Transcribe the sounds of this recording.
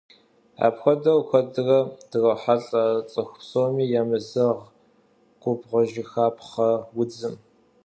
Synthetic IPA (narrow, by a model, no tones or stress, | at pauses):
a̰ːpxʷɐdɐwxʷɐdɨrɐd̥ɨrɐħaɬʼat͡sʼɨxʷpsoːmiːjaːmɨzɨʁ | qʷʼʊbʁʷɔʒɪxaːpχɐwʊd͡zɨm